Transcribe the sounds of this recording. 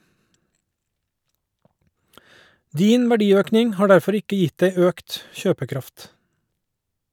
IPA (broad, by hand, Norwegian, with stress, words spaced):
ˈdiːn ʋæˈɖiːˌøːknɪŋ ˈhɑː ˈɖæɾfɔɾ ˈɪkə ˈjɪtd ˈæɪ ˈøːkt ˈçøːpəˌkɾɑft